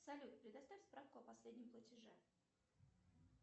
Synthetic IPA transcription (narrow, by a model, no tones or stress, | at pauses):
sɐlʲut̪pɾʲɪd̪ɐst̪avʲɪt̪ʲspɾafkʊɐpɐsʲlʲedʲnʲɪmplˠətʲɪʐɛ